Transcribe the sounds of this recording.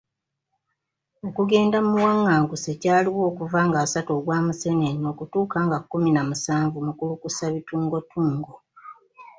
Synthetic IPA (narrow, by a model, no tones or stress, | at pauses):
okuɡe̞ːndamuwaŋːaːŋɡuse̞caːliwo̞ːkuvaːŋɡasatoɡwaːmuse̞neno̞ːkutuːkaŋɡakːuminamusaːɱvumukulukusaβituːŋɡo̞tʰuːŋɡo